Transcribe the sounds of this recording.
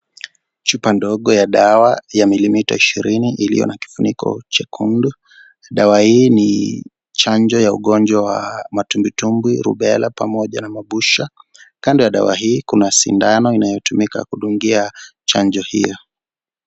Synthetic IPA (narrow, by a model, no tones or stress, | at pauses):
t͡ʃupandɔɠɔjaɗawajamilimita̰iʃiɾiniʔilḭjɔ̰naki̥funikʰɔ̰t͡ʃakʰundu | ɗawahiːni | t͡ʃaɲd͡ʒɔjauɠɔnd͡ʒwawamatumbitumbwiɾṵɓɛlapamɔʄa̰namaɓuʃakandɔjaɗa̰waɦiːkunasḭndanɔinajɔtumika̰kuɗuŋɡiat͡ʃand͡ʒɔhḭjɔ